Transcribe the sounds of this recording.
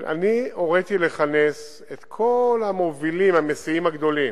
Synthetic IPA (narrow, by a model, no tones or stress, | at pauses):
ʔa̰nio̞ʁet̪ile̞χane̞s | et̪kʰo̞lamo̞vilimamesiimaɡd̪o̞lim